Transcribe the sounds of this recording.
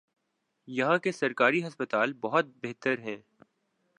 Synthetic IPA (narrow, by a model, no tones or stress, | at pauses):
jɐɦãkesɐɾkaːɾiɦɐspət̪aːlbɐɦɔt̪̚beɦt̪əɾɦɛ̃ː